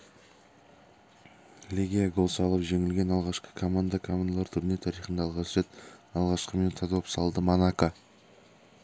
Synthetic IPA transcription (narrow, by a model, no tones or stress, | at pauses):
lʲiɡʲijaɡo̞lˠsɑlˠəpʒe̞ŋɪlɡʲe̞nɑlˠʁɑʃqə̥kʰo̞mand̪akʰo̞mand̪alˠɑɾt̪ʰʏɾne̞t̪ʰɑɾijχənd̪ɑːlˠʁɑsəʒet̪ɑlˠʁɑʃqəment̪ʰɑd̪opsɑlˠd̪əmonaka